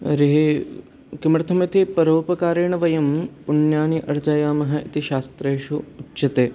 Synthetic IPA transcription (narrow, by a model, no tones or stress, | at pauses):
ɾiɦi | kimɾt̪ʰɐmɐt̪ipɐɾoːpɐkaːɾeːɳɐʋɐjɐmpuɳjaːniʔɐɾd͡ʒaːjaːmɐɦɐ̆it̪iʃaːst̪ɾeːʃuːtːʃɐt̪eː